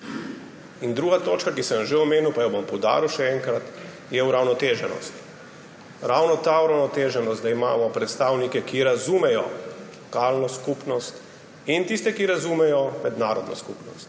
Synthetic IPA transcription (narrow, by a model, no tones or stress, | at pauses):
ind̪ɾuːɡat̪oːt͡ʃkakisəmʒeɔmeːniwpajɔbɔmpɔwd̪a̰ːɾiwʃɛɛŋkɾat̪ | jɛuɾawnɔt̪eːʒɛnɔ̰st̪ | ɾawnɔt̪auɾawnɔt̪eːʒɛnɔst̪d̪aimaːmɔpɾɛt̪st̪awnikɛkiɾazumɛjɔ̰lɔkaːlnɔskupnɔst̪ | int̪ist̪ɛkiɾazumɛjɔmɛd̪naːɾɔd̪nɔ̰skṵpnɔ̰st̪